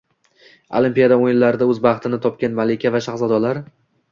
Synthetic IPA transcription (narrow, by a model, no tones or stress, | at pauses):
o̰lˠimpijad̪aojɪlːaɾɪd̪aɵzbɑχt̪ʰɪnɪt̪ʰɒp̚kʲanmalɪkʲʰavaʃaχzad̪ɒlaɾ